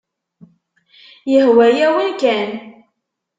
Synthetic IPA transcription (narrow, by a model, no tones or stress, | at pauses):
jəhwæjæwinkæn